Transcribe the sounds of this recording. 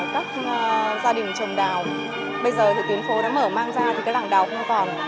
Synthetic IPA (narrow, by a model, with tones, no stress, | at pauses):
kaː˦˥k̚ːzaː˧ɗï˨˩ŋ̟t͡ɕə˨˩ŋ͡mɗaː˨˩w | ɓə˧jzəː˨˩t̪ʰɨ̰˧˨˩t̪i˨˦ənfo˨˦ɗa̰ː˧˥məː˧˩maː˧ŋzaː˧t̪ʰi˨˩kaː˦˥j̚laː˧˩ŋɗaː˨˩wxə˧wŋ͡mkɔ˨˩n